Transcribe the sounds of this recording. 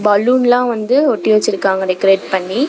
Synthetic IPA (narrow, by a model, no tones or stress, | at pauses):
bɐːluːnlãːʋɐnd̪ɯɔʈːiʋɛt͡ʃːɪɾɯkːaːŋɡɐɾekɾeːʈpɐɳːi